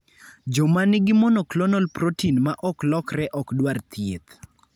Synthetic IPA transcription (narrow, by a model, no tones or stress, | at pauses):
d͡ʒomanɪɡɪmɔnɔklɔnɔlpɾotinmaʔɔklɔkrɛʔɔkdwart̪jet̪